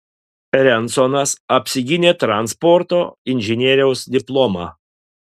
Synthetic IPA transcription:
ɾʲɛnˑt̪sɔnɐsɐpʲsʲɪɡʲɪnʲeːt̪ɾɐnspɔɾt̪oːɪnʲʒʲɪnʲɛɾʲɛʊsd̪ʲɪplˠɔmɑ̰ː

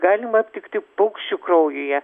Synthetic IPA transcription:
ɡɑːlʲɪmɐɐpʲt̪ʲɪkt̪ʲɪpʊkʃʲt͡ʃʲʊkrɐʊjoːjɛ

